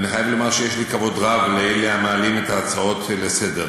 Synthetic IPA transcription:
aniχajavlomaʁʃejeʃlikavo̞dʁavlejleamaːlime̞t̪aːt͡sao̞tlesede̞ʁ

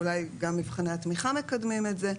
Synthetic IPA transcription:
ulajɡamːivχineat̪miχame̞kad̪mimetze̞

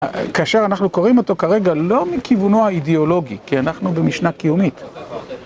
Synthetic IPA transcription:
kaaʃe̞ʁanaχnuko̞ʁimo̞to̞kaʁe̞ɡalo̞mikivuno̞haideolo̞ɡikianaχnube̞miʃnakijumit

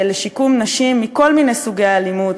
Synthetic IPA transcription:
leʃikumnaʃimːiko̞lminejsuɡejalimud

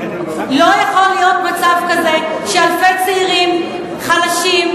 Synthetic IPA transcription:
lo̞jaχolːijo̞t̪mat͡savkaze̞ | ʃealfet͡seiʁim | χalaʃim

